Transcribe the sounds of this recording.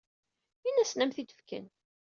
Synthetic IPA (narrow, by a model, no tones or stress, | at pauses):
inæsnæmθit̪ə̥fkə̰n